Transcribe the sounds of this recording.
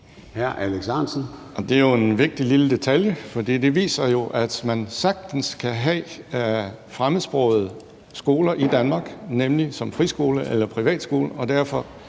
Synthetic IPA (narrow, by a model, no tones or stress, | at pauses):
hæɐ̰ʔæleɡ̥sɑnsn̩ | ɒ̽d̥e̝æjo̝e̝nʋe̝ɡ̥̚d̥ililəd̥e̝t͡sʰæljəfɒ̽d̥ḭːd̥e̝ʋḭːsɐjo̝ʔæd̥mænsɑ̈ɡ̥̚d̥n̩skʰæɦɛ | fʁaməsb̥ʁɔ̰ːð̩ˠ | sɡ̥o̝ːlɐʔid̥ænmɑ̈ːɡ̥nemlisɒ̽mfʁisɡ̥o̝̰ːləʔelɐpʰʁiʋɛ̰ːd̥sɡ̥o̝̰ːləɒ̽d̥æɐfɒ̽